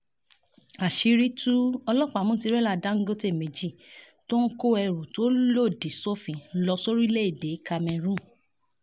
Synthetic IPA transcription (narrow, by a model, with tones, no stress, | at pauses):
a˨ʃi˨˧ɾi˦tu˦ɔ˧lɔ˦˨k͡pa˨mũ˦ti˧˦ɾɛ˦la˦˨da˨˦ŋ̩˦ɡo˦te˦˨mẽ˨d͡ʒi˦˨ | to˦ŋ̩˦ko˦ɛ˧ɾu˨to˦lo˦˨di˨so˦fĩ˨˦lɔ˧so˦ɾui˦le˦i˦˨de˨˦ka˧mɛ̃˧ɾũ˦˨